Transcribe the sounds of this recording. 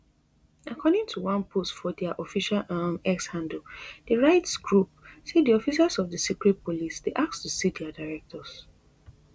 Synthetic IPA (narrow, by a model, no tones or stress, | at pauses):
akʰɔdɪ̃ŋtʰuwãnpʰostfɔdɛaʔɔfiʃalamɛkshãndl̩dəɹaɪtsɡɹup̚sediɔfisasɔvdəsikɹɛt̚polisd̥eʔakstusidɛadaɹɛk̚tʰɔs